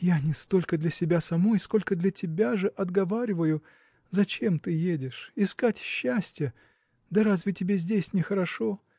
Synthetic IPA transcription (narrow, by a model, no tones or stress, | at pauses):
janʲɪst̪o̞lʲkəd̪lʲɐsʲɪbʲasɐmo̞jsko̞lʲkəd̪lʲɐtʲɪbʲaʐɨʔɐd̪ɡɐvaɾʲɪvəjʊ | zɐt͡ɕe̞mt̪ɨjedʲɪʂɪskatʲɕːæsʲtʲɪjə | d̪ɐɾazvʲɪtʲɪbʲezʲdʲesʲnʲɪxəɾɐʂo̞